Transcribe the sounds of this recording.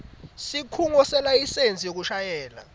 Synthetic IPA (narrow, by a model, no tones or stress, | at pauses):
sikʰuŋɔsɛlaisent͡sʼijok̬uʃajɛːla̰